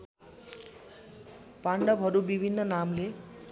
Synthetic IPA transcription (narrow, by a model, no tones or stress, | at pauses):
paɳɖʌbʱɦʌɾubibʱinːʌnamle